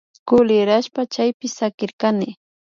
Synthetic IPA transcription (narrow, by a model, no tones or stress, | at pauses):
kʊlɪɾaʃpat͡ʃajpɪsakɪɾkanɪ